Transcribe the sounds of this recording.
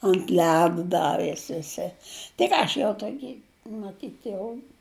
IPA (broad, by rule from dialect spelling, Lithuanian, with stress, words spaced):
ɐnt ˈlʲæːdʊ ˈdɑːʋʲeːs ʋʲɪˈsʲɪ tɐɪ ˈkɑː ɐʃ ʋʲiɛlˠ tuɔˈkʲɪ mɐˈtʲiːt jɛʊ